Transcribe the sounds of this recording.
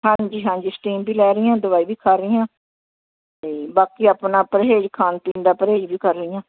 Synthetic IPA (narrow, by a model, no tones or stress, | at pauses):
hãːɲd͡ʒiːɦãːɲd͡ʒisʈiːmbiːlɛːɾəːãːd̪ʊʋaːiːʋiːkʰaːɾəijãː | t̪eːbaːkiːapnaːpəɾɦeːd͡ʒkʰaːnt̪ĩːnd̪aːpəɾɦeːd͡ʒbiːkəɾːəɪjãː